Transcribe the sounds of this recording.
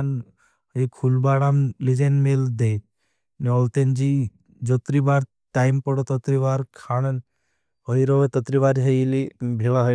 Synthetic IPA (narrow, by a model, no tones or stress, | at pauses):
n | ekʰulbaɽamlid͡ʒenmeld̪et̪̚ | nɔlt̪end͡ʒi | d͡ʒɔt̪ɾibaɾ | ʈajmpɔɽot̪ɔt̪ɾibaɾkʰaɽ̃ən | ɦɔjɾoʋet̪ɔt̪ɾibaɾɦejlibʱiɭaɦ